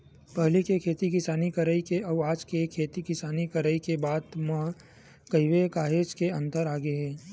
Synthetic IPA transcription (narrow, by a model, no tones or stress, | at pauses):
pɐɦlikekʰeːt̪ik̬ɪsaːnikəɾəikeɐːaːd͡ʒkekʰeːt̪ikɪsaːnikəɾəikebaːd̪mə̃ɦ | kɐɪʋekaːɦeːd͡ʒkeɐ̃nt̪əɾaːɡeɦɛ̃ː